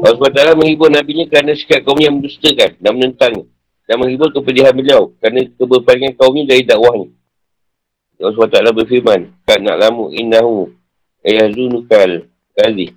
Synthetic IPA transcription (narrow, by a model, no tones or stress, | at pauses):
aasbat̪aalamə̃ŋhibʊrnabiɲəkəɾanãsi̥kaʔ̚kaumɲəjaməndust̪əkanːaʔmənənt̪aŋɲə | daməŋɦibʊrkəpəliɦanbəliawkɾanãkəbərpaliŋankaumɲədaɾidaʔwahɲə | alsbat̪aalabərfiɾmankana̰ʔlamuʔḭnːahu | ajahzunukal | kazi